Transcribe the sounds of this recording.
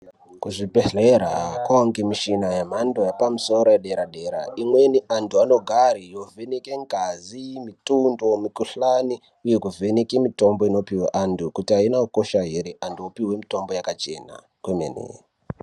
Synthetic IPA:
kuʐibʱeɮeɾakwaoŋɡimiʃinajam̤andojapamuso̞ɾojeɗe̞ɾaɗe̞ɾa̰imweniʔantʰuano̞ɡʱarijo̞vʱe̞nekeŋɡʱazimitundo̞mikuɬani | uje̞kuvʱe̞nekemito̞mboino̞piweʔandukutiainakuko̞ʃaɦeɾeʔantuopiwe̞mito̞mbo̞jakat͡ʃe̞ːna̰ | kwemḛnḛ

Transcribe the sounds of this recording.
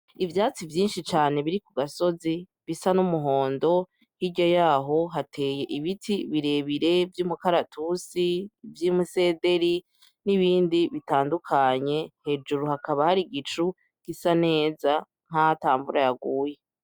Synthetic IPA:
ivjaːt͡sivjiːnʃit͡ʃaːne̞βiɾikuɡaso̞zi | βisanumuɦo̞ːndo̞ | hiɟo̞jaːɦo̞ɦatʰe̞ːje̞ʔiβitʰiβiɾe̞βiɾe̞vjuːmukaɾatusivjiːmuse̞ːde̞ɾi | niβiːndiβitaːndukʰaɲe̞he̞ːd͡ʒuɾuhakaβahaɾiɡit͡ʃu | ɡ̥isane̞ːza | ŋ̥hahataːmbuɾajaɡuːje

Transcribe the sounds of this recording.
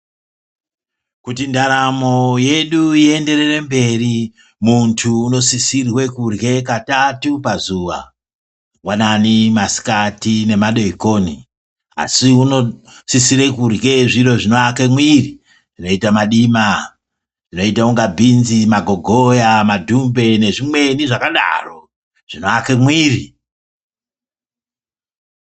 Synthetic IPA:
kutindaɾamo̞je̞ɗuie̞nde̞re̞re̞mbe̞ri | muntʰuːno̞sisirwe̞kurɡe̞katatupazuʋa | wananimasi̥katine̞maɗo̞ikoːni | a̰siunosisiɾe̞kurɡe̞ʐiro̞ʐinoakemwiri | ʐino̞itamaɗima | ʐino̞itauŋɡabʱinzimaɡʱo̞ɡʱojamadʱumbe̞ne̞ʐimwe̞niʐakaɗa̰ro̞ | ʐ̥ino̞akemwiːri

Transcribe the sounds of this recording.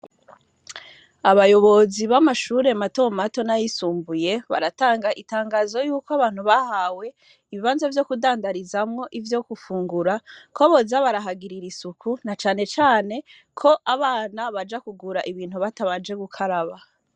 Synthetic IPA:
aβajo̞βo̞ziβamaʃuːɾe̞mato̞mato̞najisuːmbuje̞βa̰ɾataːŋɡaʔitaːŋɡaːzo̞juːkoaβaːn̥huβahawe̞ | iβiβaːnzavjo̞kudaːndaɾizamŋo̞ʔivjo̞kufuːŋɡuɾakoβozaβaɾaɦaɡiɾiɾisukunat͡ʃaːne̞t͡ʃaːne̞ | kʰo̞ʔaβaːnaβad͡ʒakuɡuɾaʔiβiːn̥huβataβad͡ʒe̞ɡukʰaɾaβa

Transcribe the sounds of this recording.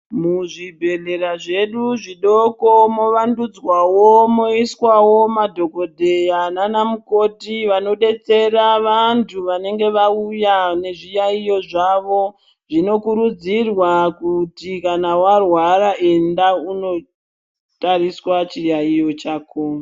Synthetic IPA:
muʐibʱe̞ɮe̞ɾaʐe̞ɗuʐiɗoko̞mo̞ʋandud͡zwawomoiswawo̞madʱo̞ko̞dʱe̞jananamuko̞tiʋano̞ɗe̞t͡se̞raʋantʰuʋane̞ŋɡe̞ʋaujane̞ʐijaijo̞ʐaʋo̞ | ʐ̥ino̞kuɾud͡zirwakutikanawarwarae̞ndauno̞ | tariswat͡ʃijaijo̞t͡ʃaːko

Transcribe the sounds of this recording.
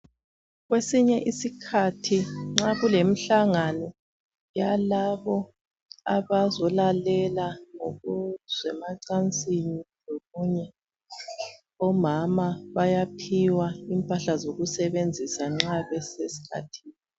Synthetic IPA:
ɣwesiɲɛʔisikʰatʰiŋ͡ǁaɣulem̩ɬaŋanɔ | jalaβɔ | aβazɔlalɛlaŋo̰ɣuz̥wɛmaǀant͡sʼiniloɣuɲɛ | ɔmamaβajapʰiwaimpʼaɬazoɣusɛβend͡zʱisaŋ͡ǁaβɛsesi̥kʰa̰tʰiːni

